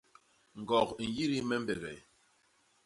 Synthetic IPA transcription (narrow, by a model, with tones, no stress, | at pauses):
ŋ̩˨ɡɔ˨kn̩˨ji˦ɾi˦mɛ˦m̩˦bɛ˨ɣɛ̰˨